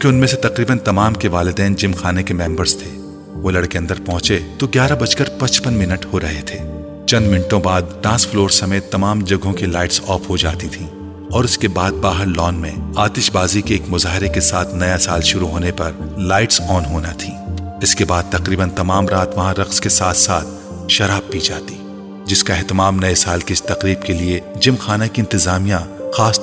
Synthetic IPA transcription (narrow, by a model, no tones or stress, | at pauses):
keʊnmẽset̪ɐqɾiːbənt̪ɐmaːmkeʋaːlɪd̪ɛːnd͡ʒɪmxaːnekemɛ̃ːmbəɾz̥t̪ʰeː | ʋolɐɽkeɐ̃nd̪əɾpɔɦʊ̃t͡ʃet̪oɡjaːɾabɐt͡ʃkəɾpɐt͡ʃpənmɪnəʈhoɾɐɦet̪ʰeː | t͡ʃɐ̃nd̪mɪnʈõbaːd̪̚ɖãːsfloːɾsɐmeːt̪ːɐmaːmd͡ʒɐɡʱõkilaːɪʈsɔːfɦod͡ʒa̰ːt̪it̪ʰĩː | ɔːɾʊskebaːd̪̚baːɦəɾlɔːnmẽaːt̪ɪʃbaːzikeeːkmʊzaːɦɪɾekesaːt̪ʰnɐjasaːlʃʊɾuɦoːnepɐɾlaːɪʈsɔːnɦoːnat̪ʰiːɪskebaːd̪̚t̪ɐqɾiːbənt̪ɐmaːmɾaːt̪ʋɐɦãɾɐqskesaːt̪ʰsaːt̪ʰ | ʃɐɾaːb̚pid͡ʒaːt̪i | d͡ʒɪskaɛɦt̪ɪmaːmnɐesaːlkɪst̪ɐqɾiːbkelied͡ʒɪmxaːnakiɪ̃nt̪ɪzaːmijãxaːs